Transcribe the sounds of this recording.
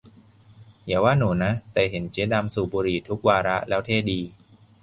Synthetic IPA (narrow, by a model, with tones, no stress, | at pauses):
jaː˨˩˦waː˥˩nuː˩˦na˦˥ʔt̪ɛː˨˩ɦe˩˦nt͡ɕiː˦˥da˧msuː˨˩buː˧ɾiː˨˩t̪ʰu˦˥k̚waː˧ɾa˦˥ʔlɛː˦˥wt̪ʰeː˥˩diː˧